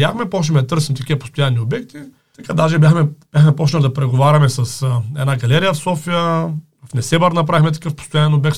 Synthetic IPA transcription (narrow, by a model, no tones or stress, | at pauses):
axmɛpɔt͡ʃnɛmɛd̪ɐt̪ɤɾsimt̪ɐkʲivɐpo̥st̪ojanːiobɛk̚t̪i | t̪ɐkad̪aʒɛbʲjaxmɛb̥ʲjaxmɛpɔt͡ʃnɐlid̪ɐpɾɛɡovaɾʲɐmɛsɐsɛd̪naɡɐlɛɾijəfsɔfijə | fnɛsɛbɐɾnɐp̬ɾavixmɛt̪ɐ̥kɤfpo̥st̪ʊjanːɛnobɛk̚t̪